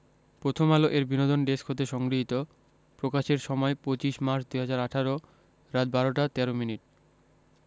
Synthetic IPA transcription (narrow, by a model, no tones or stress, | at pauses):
pɾot̪ʰomaloʔeɾbinod̪onɖeskʰot̪eʃɔŋɡɾiɦit̪o | pɾokaʃeɾʃɔmɔepot͡ɕiʃmaɾt͡ɕd̪ujɦad͡ʑaɾaʈʰaɾo | ɾat̪̚baɾoʈat̪ɛɾominiʈ̚